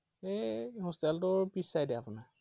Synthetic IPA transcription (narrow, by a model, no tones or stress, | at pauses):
eɦustɛltʊɹpisajdɛapʊna